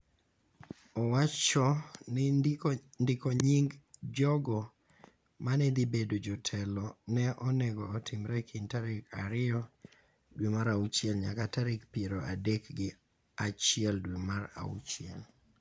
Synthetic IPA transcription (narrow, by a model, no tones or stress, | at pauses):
ɔwat͡ʃɔn | ndɪkoɲiŋɡd͡ʒɔɡɔ | manɛd̪ibedod͡ʒɔtʰɛlɔnɛʔɔnɛɡɔːtʰimɾɛkʰintaɾɪkʰaɾɪɔ | dwimaɾaut͡ʃɪɛlɲa̰kataɾɪkpieɾoʔadekɡɪ | at͡ʃɪɛldwimaɾa̰ṵt͡ʃɪɛ̰l